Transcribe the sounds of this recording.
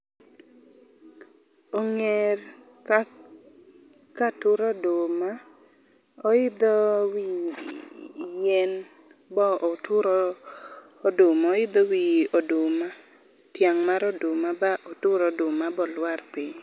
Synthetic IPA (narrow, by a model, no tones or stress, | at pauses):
oŋɛr | ka | katʊɾɔdoma | ɔɪd̪ɔwi | jɛn | bɔtʊɾɔː | dʊmɔɪd̪ɔwiodʊma | tjaŋmaɾɔdomabaʔɔtʊɾɔdʊmabɔlwarpɪɲ